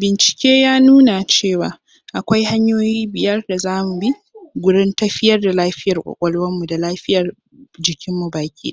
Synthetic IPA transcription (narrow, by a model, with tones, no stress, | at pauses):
bɪ˨nt͡ʃɪ̥˨kʲeː˦jaː˦nuː˦na˨t͡ʃeː˦˨waː˨ | ʔa˨kʷa˦jha˦ɲjoː˦jiː˦bɪ˨jɐ˦rda˨zaː˦mu˨bi˦ | ɡʷʊ˦ɽɪ˦ntɐ˦ɸɪ˦jɐ˦rda˨laː˦ɸɪ˦jɐ˨rkʷʼɔ̰˨kʷʼɔ˦lwɐ˦mːu˨da˨laː˦ɸɪ˦jɐ˨r | d͡ʒɪ˨kʲʰɪ˦mːu˨baː˨kʲḭ˦